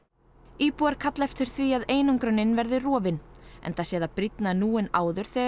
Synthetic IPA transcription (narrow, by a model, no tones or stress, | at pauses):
iːpuaɾ̥kʰat̪lɛft̪ʏɾ̥θviaðeːjnʏŋkɾʏnːɪnvɛɾðɪrɔːvɪnɛ̰nθasjɛːðapɾit̪nanuːɪnaːwðʏɾ̥θɛː